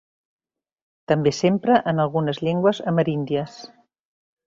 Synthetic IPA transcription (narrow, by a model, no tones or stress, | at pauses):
t̪əmbesempɾəʔənəlˠɣunəzʎeŋɡwəzəməɾind̪iəs